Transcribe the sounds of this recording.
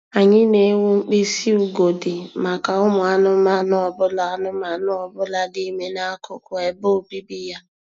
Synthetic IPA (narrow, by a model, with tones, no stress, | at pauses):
a˨ɲɪ˦ne˨˦ŋʷu˦ŋ͡m̩˦k͡pi˦si˦u˨ɡo˨dɪ˨ma˨ka˨ʊ˦mʊ˨a˦nʊ˦ma˦nʊ˦ɔ˨bʊ˦la˦a˦nʊ˦ma˨nʊ˦ɔ˨bʊ˦la˦di˦me˦na˦kʰʊ˨kʊ˨e˨bo˦˨bi˦bi˦ja˦